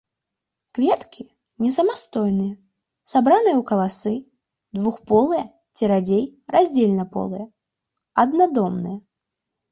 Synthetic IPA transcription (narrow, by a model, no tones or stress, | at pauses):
kvʲɛt̪kʲi | nʲɛsɐmast̪ɔjnɨjɐ | sabɾanɨjɐwkɐlˠasɨ | d̪vuxpɔlˠɨjɛ | t͡sʲiɾad͡zʲejɾazʲd͡zʲelʲnɐpɔ̰lˠɨjɛ | ɐd̪nad̪ɔmnɨjɛ